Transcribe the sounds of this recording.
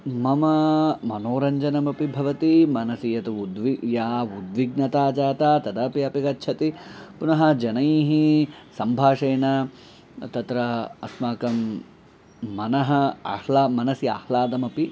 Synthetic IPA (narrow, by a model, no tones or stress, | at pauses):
mɐmɐmɐnoːɾɐɲd͡ʒɐnɐmɐpibʱɐʋɐt̪imɐnɐsijɐt̪uud̪ʋijaːud̪ʋiɡnɐt̪aːd͡ʒaːt̪aːt̪ɐd̪ɐːpiɐpikɐtːʃʰɐt̪ipunɐɦɐd͡ʒɐnɐjiːɦisɐmbʱaːʂɐjnɐ | t̪ɐt̪ɾɐɐ̰smaːkɐm | ɐnɐɦɐɐ̰hlaːmɐnɐsiɐ̰hlaːd̪ɐmɐpi